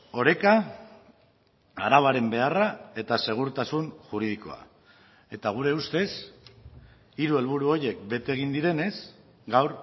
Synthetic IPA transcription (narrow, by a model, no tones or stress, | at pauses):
o̞ɾe̞ka | aɾaβaɾe̞mbe̞arae̞t̪ase̞ɣ̞uɾt̪asunʝuɾið̞iko̞̰a̰ | e̞t̪aɣ̞uɾe̞ust̪e̞s | iɾue̞lβ̞uɾuo̞je̞kbe̞t̪eːɣ̞ind̪iɾe̞ne̞s | ɡawɾ